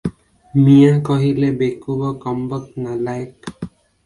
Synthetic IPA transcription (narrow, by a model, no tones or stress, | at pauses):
mijãkɔɦilebekubɔkɔmbək̚nalajk